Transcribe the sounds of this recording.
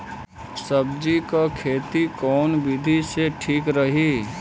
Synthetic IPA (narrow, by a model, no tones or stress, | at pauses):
səbd͡ʒikakʰeːt̪ikɔːnbɪd̪ʱiseʈʰiːkɾəɦiː